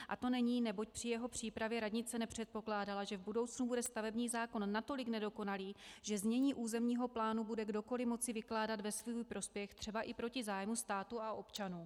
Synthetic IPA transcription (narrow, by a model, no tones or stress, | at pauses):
ʔa̰t̪o̞nɛɲiːnɛbo̞c̚pr̝̥ɪjɛɦo̞pr̝̥iːpɾavjɛɾadɲɪt͡sɛnɛpr̝̥ɛt̪̚po̞klaːdalaʒɛvbudo̞wt͡snubudɛst̪avɛbɲiːzaːko̞nːat̪o̞lɪknɛdo̞ko̞naliːʒ̥ɛzmɲɛɲiːʔuːzɛmɲiːɦo̞plaːnubudɛɡdo̞ko̞lɪmo̞t͡sɪvɪklaːdat̪vɛsvuːjpɾo̞spjɛxt̪r̝̥ɛbaʔɪpɾo̞cɪzaːjmust̪aːt̪uaʔo̞pt͡ʃanuː